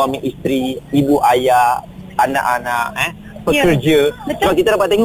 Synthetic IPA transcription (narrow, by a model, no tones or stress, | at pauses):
amiʔist̪ɾiibuʔajaana̰ʔanaʔɛ | pəkərd͡ʒəsabakit̪adapat̪̚ːeŋ